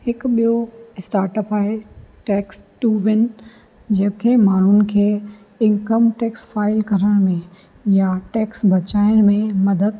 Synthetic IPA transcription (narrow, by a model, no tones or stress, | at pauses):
hɪkɓijoɪsʈaːɾʈəpaːɪʈɛːksʈuːʋɪn | d͡ʑɐɦɪ̃kʰeːmaːɳ̤ʊnɪ̆kʰeː | ɪ̃ŋkəmʈɛːksfaːɪlkɐɾəɽ̃mẽ | jaʈɛːksbɐt͡ɕaːɪɽ̃mẽmɐd̪əd̪̚